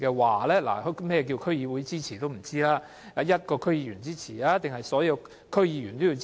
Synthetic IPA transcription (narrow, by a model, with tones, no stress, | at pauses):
kɛː˧waː˨lɛː˥la̰ː˨˩hmɛː˥jɛ˧k̬i˧wkʰɵ˥ɥjiː˧wuː˨˥jt͡siː˥t͡sʰiː˨˩t̪o˥wm̩˨˩t͡siː˥laː˥ | a˨˧jɐ˥t̚kɔː˧kʰɵ˥ɥjiː˨˧jyː˨˩nt͡siː˥t͡sʰiː˨˩laː˦˥t̪ɪ˨ŋɦɐ˨jsɔː˨˥jɐ˧w | kʰɵ˥ɥjiː˨˧jyː˨˩nt̪o˥wji˧w